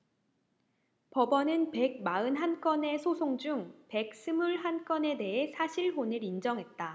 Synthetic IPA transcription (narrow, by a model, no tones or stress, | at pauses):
pʌbʌnɯnpe̞ɡ̚maɯnɦank͈ʌne̞sʰosʰoŋd͡ʑuŋpe̞k̚s͈ʰɯmuɭɦank͈ʌne̞de̞ɦe̞sʰaɕʰiɭɦonɯɾind͡ʑʌŋɦe̞t̚t͈a